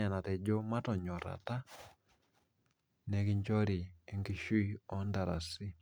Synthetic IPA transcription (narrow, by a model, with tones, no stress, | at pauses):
a˨na˨tɛ˨d͡ʒo˦ma˦tɔ˨ɲɔ˨ɾa̰˨ta˦ | nɛ˨˦ki˦ɲt͡ʃɔ˦ɾi˨e˨ŋɡi˦ʃu˦i˦ɔ˦nda˨ɾa̰˨si˦